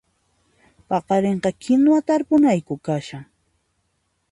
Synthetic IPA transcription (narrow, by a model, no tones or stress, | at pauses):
pɑqɑɾeɴɢɑkʰɪnwat̪aɾpʊnajkʊkaʃaŋ